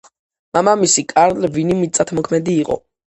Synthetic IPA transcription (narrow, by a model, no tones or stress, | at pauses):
mamamisikʼaɾlvinimit̪sʼat̪ʰmɔkʰmɛd̪iːqʼɔ̰